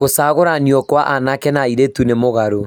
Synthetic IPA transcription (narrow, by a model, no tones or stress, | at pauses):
ɣosaːɣoɾaniɔkwaʔanakɛnaiɾetunemoɣaɾo